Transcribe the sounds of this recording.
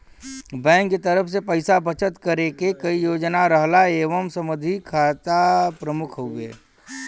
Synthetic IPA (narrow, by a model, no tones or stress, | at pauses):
bɛ̃ːŋkːet̪əɾəfʰsepəɪsabət͡ʃət̪kəɾekekɐijoːd͡ʒnaɾəɦlaeːʋəmsəməd̪ʱikʰaːt̪apɾəmʊkʰɦoḛː